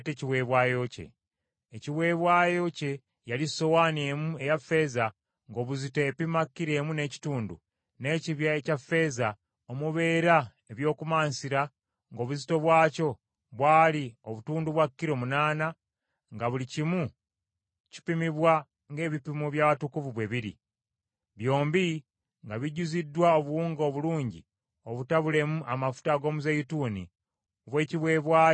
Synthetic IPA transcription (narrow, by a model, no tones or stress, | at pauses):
teciwe̞βwaːjo̞ce̞̰ː | ciwe̞βwaːjo̞ce̞ | jalisowaːnemue̞jafe̞za | ŋɡo̞ːβuzite̞ːpimakːiɾe̞ːmune̞ːci̥tuːndṵ | ne̞ːciβjaecafe̞ːza | omuβe̞ːɾa | eβjo̞ːkumaːnsiɾa | ŋɡo̞ːβuzito̞βwaːco̞ | βwaːlioβutuːnduβwakːiɾo̞munaːna | ŋɡaβulicimu | ci̥pimiβwa | ŋɡe̞ːβipimuβjaβatukuvuβwe̞βiɾḭ | βjo̞ːmbi | ŋɡaβiɟuzidːwaoβuwuːŋɡoβuluːɲɟi | oβutaβule̞muʔamafu̥taɡo̞ːmuzejituːnḭ | oβwe̞ːciβwe̞ːβwaː